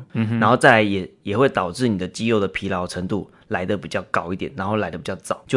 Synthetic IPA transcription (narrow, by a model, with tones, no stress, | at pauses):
nna˧˥nxo˥˧ʊt͡sa˥˩ɪla˧˥ɪjɛ˨˩jɛ˨˩xwe˥˩ɪt̪ɑ˨˩ʊʈ͡ʂɻ̩˥˩ni˨˩d̪ə˦t͡ɕi˥jo˥˩ʊd̪ə˩pʰi˧˥lɑ˧˥ʊʈ͡ʂʰə˧˥ŋt̪u˥˩ | la˧˥ɪd̪ə˨pi˨˩t͡ɕjɑ˥˩ʊkɑ˨˩ʊi˥˩t̪jɛ˨˩nːa˧˥nxo˥˩ʊla˧˥ɪd̪ə˩pi˨˩t͡ɕɑ˥˩ʊt͡sɑ˨˩˦ʊt͡ɕjo˥˧